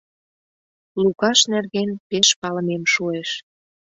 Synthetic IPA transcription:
lukɑʃnerɣenpeʃpɑləmemʃueʃ

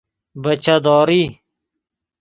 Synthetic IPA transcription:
bɐt͡ʃʰad̪ɔːɾiː

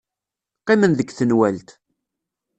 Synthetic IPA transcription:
qːɪmənðəɡθənwælt̪

